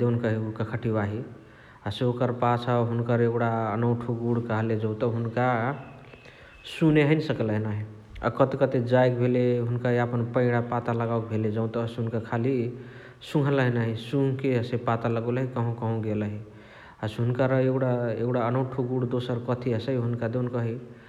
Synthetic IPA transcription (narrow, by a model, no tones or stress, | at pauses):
d̪enkəɦiukakʰəʈʰibaɦi | əseokəɾpasəbɦunkəɾeɡɽaənəʊʈʰuɡuɽkəɦəled͡ʒə̃ʊ̃t̪əɦunka | suneɦənsəkləɦnaɦi | a̰kət̪kət̪ed͡ʒajk̚bʱeleɦunkaɦiapənpə̃ɪɽapat̪aləɡawk̚bʱeled͡ʒəʊ̃t̪əsɦunkakʰali | sũŋɡʱələɦnaɦisũɦkeəsepat̪aləɡolɦikəɦũkəɦũɡeləɦi | əsɦunkəɾeɡɽaeɡɽaənəʊ̃ʈʰuɡuɽd̪osəɾkət̪ʰiəsəiɦunkad̪enkəɦi